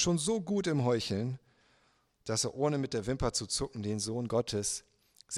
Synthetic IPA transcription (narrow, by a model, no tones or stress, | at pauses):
ʃoːnzoːɡuːtɪmɦɔʏçl̩n | d̥aseːɐʔoːnəmɪt̚d̥eːɐvɪmpɐt͡sut͡sʊkŋ̩deːnzoːnɡɔtʰəs | z̥